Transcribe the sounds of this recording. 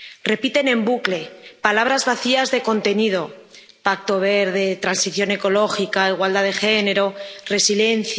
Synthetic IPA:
re̞pit̪e̞nẽ̞mbukle̞palaβ̞ɾazβaθiazðe̞ko̞nt̪e̞nið̞o̞ | pak̚t̪o̞β̞e̞ɾð̞e̞t̪ɾansiθjo̞ne̞ko̞lo̞xikaiɣwald̪aðe̞xe̞ne̞ɾo̞re̞sile̞n̟θ

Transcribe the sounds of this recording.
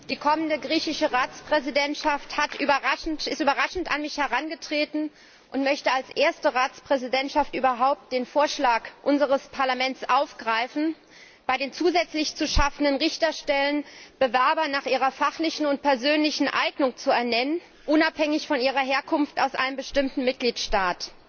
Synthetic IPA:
d̥iːkʰɔməndəɡʁiːçɪʃəʁaːt͡spʁ̥ɛzidɛntʃafthatʔyːbɐʁaʃn̩tɪstyːbɐʁaʃn̩ta̰nmɪçhɛʁanɡətʁ̥eːtn̩ | ʔʊntmœçtəalsʔeːɐstəʁaːt͡spʁ̥ɛzidɛntʃaftʔyːbɐɦaʊp̚t̚d̥eːnfoːɐʃlaːkʔʊnzəʁəspʰaɐlamɛntt͡sʔaʊfɡ̥ʁaɪfn̩ | b̥aɪɾeːnt͡suːzɛt͡slɪçt͡suʃafn̩dənʁɪçtɐʃtɛlənb̥əvɛɐbɐnaːχʔiːʁɐfaχlɪçn̩ʊntpʰɛɐzøːnlɪçn̩ʔa̰ɪɡnʊŋt͡suɛɐnɛnən | ʔʊnaphɛŋɪçfɔnʔiːʁɐɦeːɐkʰʊnftaʊsʔa̰ɪnəmbəʃtɪmtn̩mɪt̚ɡ̥liːtʃtaːt

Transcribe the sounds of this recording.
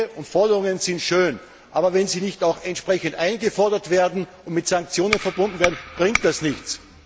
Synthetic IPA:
ʊntfɔɐdɐʁʊŋənzɪntʃøːn | ʔaːbɐvɛnziːnɪçtaʊxɛntʃpʁ̥ɛçəntʔaɪnɡəfɔɐdɐtv̥eːɐdn̩ʊntmɪtsaŋk̚t͡sjoːnənfɛɐbʊndn̩veːɐdn̩b̥ʁɪŋk̚t̚d̥asnɪçt͡s

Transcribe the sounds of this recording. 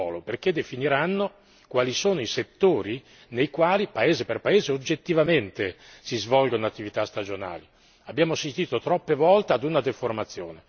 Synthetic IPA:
ɔ̰ːloperked̪efiniɾanːo | kwaːlisoːnoiset̪ːoːɾi | nejkwaːlipaeːzeperpaeːzeod͡ʒːet̪ːivament̪esizvɔlɡonoat̪ːivit̪ast̪ad͡ʒona̰ːli | abːjaːmosit̪iːt̪ot̪ɾɔpːevɔlt̪ead̪unad̪eformat̪sːjo̰ːne

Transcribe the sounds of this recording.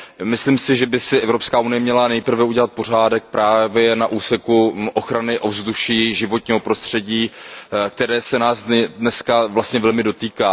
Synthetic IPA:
mɪsliːmsɪʒɛbɪsɪʔɛvɾopskaːʔunɪjɛmɲɛlanɛjpr̩vɛuɟɛlat̪̚po̞r̝aːdɛk̚pɾaːvjɛnaʔuːsɛkuʔo̞xɾanɪʔo̞vzduʃiːʒɪvo̞t̪̚ɲiːɦo̞pɾo̞st̪r̥ɛɟiːk̚t̪ɛɾɛːsɛnaːsdnɛskavlast̪ɲɛvɛlmɪdo̞t̪iːkaː

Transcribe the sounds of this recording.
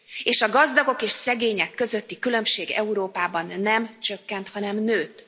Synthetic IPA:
eːʃɒɡɒzd̪ɒɡo̞keːʃsɛɡeːɲɛkːø̞zøt̪ːikylø̞mʃeːɡɛ̰uɾoːpaːbɒnːɛmt͡ʃøkːɛnt̪hɒnɛmnøːt̪

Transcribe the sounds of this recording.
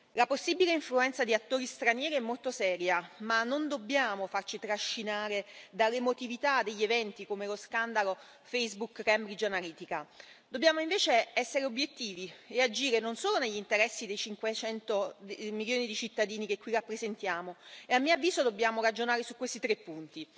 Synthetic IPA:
laposːibileiɱfluɛnt̪sad̪iat̪ːoːɾist̪ɾanjɛːɾiɛmːolt̪osɛːɾjamanːond̪obːjaːmofart͡ʃit̪ɾaʃːinaːɾed̪alːemot̪ivit̪ad̪eʎːevɛnt̪ikomeloskand̪alo | fejzbukɾɛmɾid͡ʒoanaliːt̪ika | d̪obːjaːmoiɱveːt͡ʃeɛsːeɾeobjet̪ːiːviead͡ʒiːɾenonsoːloneʎːint̪eɾɛsːid̪ejt͡ʃiŋkwet͡ʃɛnt̪omiljoːnid̪it͡ʃit̪ːad̪iːnikekːwirapːɾezent̪jaːmoeamːiavːiːzod̪obːjaːmoɾad͡ʒonaːɾesukːwest̪it̪ɾepːunt̪i

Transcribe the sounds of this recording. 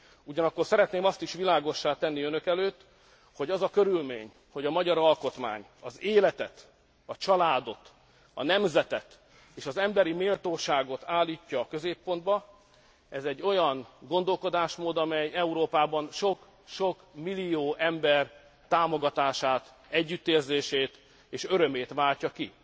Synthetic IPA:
uɟɒnɒkːo̞rsɛɾɛt̪neːmɒst̪iʃʋilaːɡo̞ʃːaːt̪ɛnːiønø̞kɛløːt̪ː | ho̞ɟɒzɒkø̞ɾylmḛːɲ | ho̞ɟɒmɒɟɒɾɒlko̞t̪ma̰ːɲ | ɒzeːlɛt̪ɛt̪ | ɒt͡ʃɒlaːd̪o̞t̪ | ɒ̰nɛmzɛt̪ɛt̪ | eːʃɒzɛmbɛɾimeːlt̪oːʃaːɡo̞t̪aːlːiːcːɒːkø̞zeːpːo̞nd̪bɒ | ɛzɛɟːo̞jɒŋɡo̞nd̪o̞lko̞d̪aːʃmoːd̪ɒmɛjɛuɾoːpaːbɒnʃo̞k | ʃo̞kmilːioːʔɛmbɛr | t̪aːmo̞ɡɒt̪aːʃaːt̪ | ɛɟːyt̪ːeːrzeːʃeːt̪ | eːʃø̞ɾø̞meːt̪ʋaːlcɒki

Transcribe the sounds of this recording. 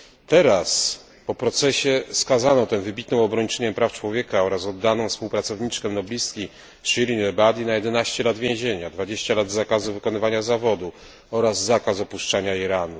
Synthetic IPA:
t̪ɛɾas | pɔpɾɔt̪sɛɕɛskazanɔt̪ɛvɘbʲit̪nɔ̃w̃ɔbɾɔɲt͡ʂɛɲɛmpɾaft͡ʂwɔvʲjɛkaɔɾasɔd̪ːanɔ̃w̃fspuwpɾat̪sɔvɲit͡ʂkɛmnɔblʲiskʲi | ʂiɾʲinɛbad̪ʲinajɛd̪ɛnaɕt͡ɕɛlad̪vʲjẽʑeɲad̪vad͡ʑeɕt͡ɕalad̪zakazuvɘkɔnɘvaɲazavɔd̪u | ɔɾazːakasɔpuʂt͡ʂaɲaiɾanu

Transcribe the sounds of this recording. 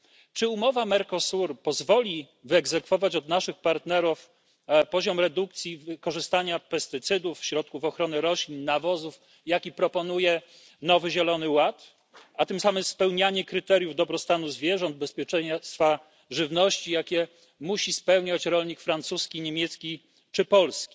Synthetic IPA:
t͡ʂɘumɔvamɛɾkɔsuɾpɔzvɔlʲi | vɘɛɡzɛkfɔvat͡ɕɔd̪naʂɘxpaɾt̪nɛɾuf | pɔʑɔmɾɛd̪uk̚t̪sʲjivkɔʐɘst̪aɲapɛst̪ɘt̪sɘd̪ufːɕɾɔt̪̚kufɔxɾɔnɛɾɔɕlʲiɲnavɔzuf | jakʲipɾɔpɔnujɛ | nɔvɘʑɛlɔnɘwat̪ | at̪ɘmsamɘmspɛwɲaɲɛkɾɘt̪ɛɾʲjuvd̪ɔbɾɔst̪anuzvʲjɛʐɔnd̪̚bɛspʲjɛt͡ʂɛɲst̪fa | ʐɘvnɔɕt͡ɕijakʲɛ | muɕispɛwɲat͡ɕɾɔlɲikfɾant̪suskʲiɲemʲjɛt̪skʲi | t͡ʂɘpɔlskʲi̥

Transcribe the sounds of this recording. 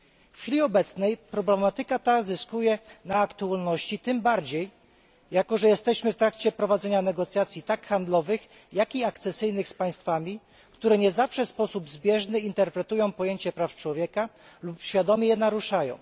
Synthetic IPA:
fʲilʲiɔbɛt̪snɛjpɾɔblɛmat̪ɘkat̪azɘskujɛnaːkt̪ualnɔɕt͡ɕit̪ɘmbaɾd͡ʑej | jakɔʐɛjɛst̪ɛɕmɘft̪ɾakt͡ɕɛpɾɔvad̪zɛɲanɛɡɔt̪sʲjat̪sʲjit̪akxand̪lɔvɘx | jakiakt̪sɛsɘjnɘxspaj̃st̪famʲi | kt̪uɾɛɲɛzafʂɛspɔsubzbʲjɛʐnɘint̪ɛɾpɾɛt̪ujɔ̃w̃pɔjeɲt͡ɕɛpɾaft͡ʂwɔvʲjɛkalupɕfʲjad̪ɔmʲɛjɛnaɾuʂajɔ̰̃w̃

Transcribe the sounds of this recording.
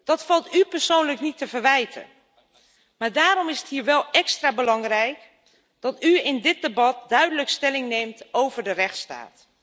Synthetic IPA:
d̥ɔtfɑlˠtypərsoːnləknitːəvərʋɛjtʰə̰ | maːrdaːɾɔmɪsəthiːɹʋɛlˠɛkstraːbəlɑŋrɛjk | d̥ɔtyɪndɪt̚debɑt̚dœɥdələkstɛlɪŋneːmtowvərdərɛxtsta̰ːt

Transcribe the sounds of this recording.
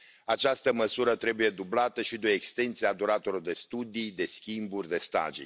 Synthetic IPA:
at͡ʃast̪əməsuɾət̪ɾe̞buje̞d̪ublat̪əʃid̪uekst̪e̞nt̪siead̪uɾat̪oɾord̪e̞st̪ud̪ijd̪e̞skʲimburʲd̪e̞st̪a̰ʒḭj

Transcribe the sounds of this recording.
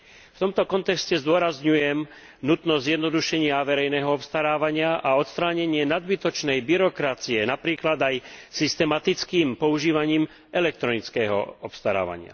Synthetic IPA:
ft̪ɔmt̪ɔkɔnt̪ɛkscɛzd̪ʊɔɾazɲujɛm | nut̪nɔzzjɛd̪nɔd̪uʃɛɲɪaʋɛɾɛjnɛːɦɔɔpst̪aɾaːʋaɲɪaʔaɔt̪st̪ɾaːɲɛɲɪɛnad̪bit̪ɔt͡ʃnɛjbiɾɔkɾat͡siɛnapɾiːklad̪ajsist̪ɛmat̪it͡skiːmpɔuʒiːʋaɲiːm | ʔɛlɛk̚t̪ɾɔnit͡skɛːɦɔ̰ɔpst̪aɾa̰ːʋa̰ɲɪa̰

